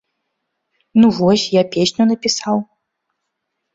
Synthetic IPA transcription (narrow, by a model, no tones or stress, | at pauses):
nuvɔsʲjapʲesʲnʲunɐpʲisaw